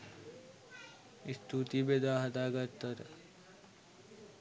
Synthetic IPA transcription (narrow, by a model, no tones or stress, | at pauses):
ist̪ʰut̪ibed̪aːɦɐd̪aːɡəɾt̪əɾ